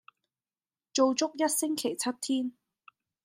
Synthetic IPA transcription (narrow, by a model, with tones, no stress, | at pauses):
t͡ʃo˨˧wt͡sʊ˥k̚jɐ˥t̚sɪ˥ŋkʰe˨˩jt͡sʰɐ˦˥t̚t̪ʰiː˥n